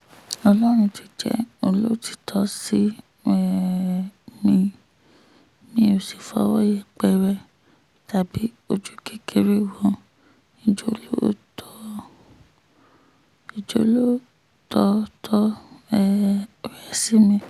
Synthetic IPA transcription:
ɔ˧lɔ˦ɾ̃ũ˧ti˨˧d͡ʒɛ̰˨˦o˧lo˦˨ti̥˨tʰɔ˦si˦ | ɛ˨ | mĩ˧ | mĩ˦o˨si˨fɔ̰˧˦wɔ˦jɛ˦˨k͡pɛ˧˨ɾɛ˧ | ta˨bi˨˦ | o˧d͡ʒu˦ke˦kʰe˧ɾe˦wɔ̃˧˦ | i˨d͡ʒo˧˦lo˦tʰɔ˦ | i˨d͡ʒo̰˨˦lo˦ | tʰɔ˧˦tʰɔ˦ɛ˦˧˨ɾɛ˦˨si˦mĩ˧

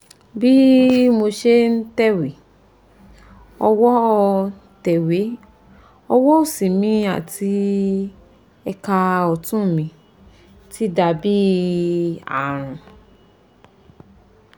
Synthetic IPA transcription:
bi˦mo˧ʃe˦n̩˦tɛ˦we˨ | ɔ˧wɔ˦ | tɛ˨we˨˦ | ɔ˧wɔ˦o˦˨sĩ˨mĩ˧˦a̰˦˨tʰi˧˦ | ɛ˧ka˧ɔ˨tũ˦˨mĩ˧ | ti˦da˧bi˦ | a̰˨ɾ̃ũ˨

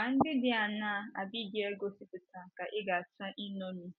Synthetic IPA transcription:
a˨n̩˦dɪ˦dɪ˦a˨naː˦˨a˨bi˦˨ɡi˦e˦ɡo˦si˦tʊ˨tã˨ka˨ʔɪ˦ɡa˨t͡ʃa˦ʔi˦no˦ni˦

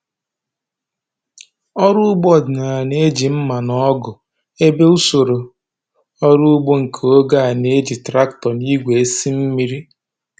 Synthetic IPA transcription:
ɔ˦ɾʊ˦ɡ͡bɔ˦˨dɪ˨na˨ne˦d͡ʒi˨m̩˦ma˨nɔ˦ɡʊ˨ | e˦be˦u˦so˨ɾo˨ | ɔ˦ɾu˦ɡ͡bo˦ŋ̩˨kʰo˦ɡa˦a˨ne˦d͡ʒi˨tɾa˦ktɔ˨ni˦ɡʷe˨e˦si˦m̩˦mi˦ɾi˦

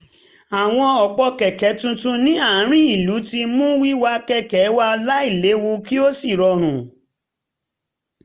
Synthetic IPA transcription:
a˨w̃ɔ̃˧ɔ˨k͡pɔ˧kɛ˨kɛ˨˦tũ˧tũ˦nĩ˦a˦˨˦ɾ̃ĩ˦i˨lu˨˦ti˧mũ˦wi˦wa˧kɛ˦kɛ˨˦wa˧ɔ˧la˦i˦˨le˨˦wo˧ki˦o˦si˦˨ɾɔ˧ɾ̃ũ˨

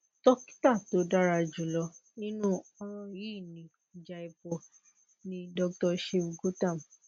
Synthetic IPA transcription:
tɔ˦ki̥˦ta˦˨to˨˦da˦ɾa˧d͡ʒu˨lɔ˨˦nĩ˦nũ˦ɔ̃˧ɾ̃ɔ̃˧ji˦˨nĩ˨˦˨ | d͡ʒa˧i˧po˧ | nĩ˦dɔ˧k̚tɔ˧ʃe˧˨ɡo˦tã˦˨m

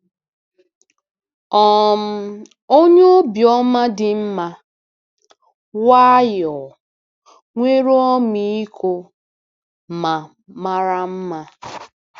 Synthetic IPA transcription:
ɔ˦˨m̩˦ | o˦ɲe˦o˦bjɔ˦ma˦dɪ˨m̩˦ma˦ | wa˦jɔ˨ | ŋʷe˦ɾo˦ɔ˦mi˦i˦kʰo˦ | ma˨ | ma˦ɾa˦m̩˦ma˦

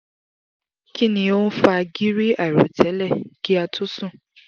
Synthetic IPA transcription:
ki˦nĩ˧˨o˦n̩˦fa˧ɡi˦ɾi˦a˨ɾo̰˨tʰɛ˨˦lɛ˦˨ɡi˦a˧tʰu˦sũ˦˨

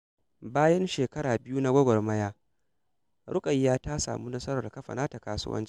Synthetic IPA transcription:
baː˦jɐ˦nʃeː˨kɐ˦ɾaː˨bɪ˦ju˦na˦ɡʷɐ˦ɡʷɔ˨rmɐ˦jaː˦ | ɽʊ˦kʼɐ˨jːaː˦taː˦sa̰ː˨muː˦nɐ˦sɐ˦ɾɐ˨rkɐ˦ɸa̰˨naː˦ta˨kaː˦sʊ̰˦wʔɐ̰˦nt͡ʃi̥˦

